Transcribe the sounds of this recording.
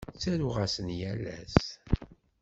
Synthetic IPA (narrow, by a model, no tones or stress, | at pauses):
t͡sːæɾuʁasənjælːæ̰s